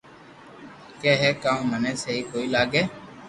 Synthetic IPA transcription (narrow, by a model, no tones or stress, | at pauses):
keːɦɛːkãːũmənẽːseːɦiːkoːiːlaːɡeː